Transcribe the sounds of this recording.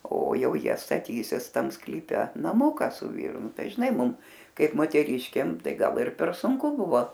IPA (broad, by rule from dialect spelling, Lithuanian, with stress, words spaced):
oː ˈjɛʊ ˈjiɛ stɐˈtʲiːsʲɪs ˈtɐm sklʲiːˈpʲɛ nɐˈmʊkɐ sʊ ˈʋʲiːrʊ ˈnʊ ˈtɐɪ ʒʲɪˈnɐɪ ˈmʊm ˈkɐɪp moːtʲɛˈrʲɪʃʲkʲeːm ˈtɐɪ ˈɡɐlˠ ɪr pʲɛr sʊŋˈkʊ ˈbʊʋoː